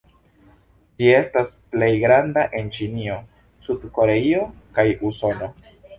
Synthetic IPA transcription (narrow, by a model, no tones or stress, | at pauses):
d͡ʒie̞stasple̞jɡɾandaʔe̞nt͡ʃinio̞ | sudko̞ɾe̞io̞kajuso̞no̞